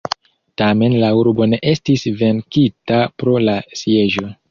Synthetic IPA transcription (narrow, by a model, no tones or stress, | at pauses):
tame̞nlauɾbo̞ne̞ʔe̞stisve̞nkitapɾo̞lasije̞ʒo̞